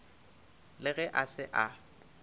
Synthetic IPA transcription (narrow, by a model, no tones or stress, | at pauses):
lɪɣɛʔasɪʔa